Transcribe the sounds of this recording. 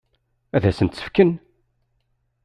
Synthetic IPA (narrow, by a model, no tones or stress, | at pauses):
æðæsənt̪sə̥fkən